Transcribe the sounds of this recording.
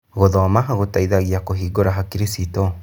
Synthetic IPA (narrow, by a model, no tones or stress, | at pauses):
ɣoðɔamaɦaɣotaiðaɣiakoɦiːɡoɾaɦakiɾisitɔ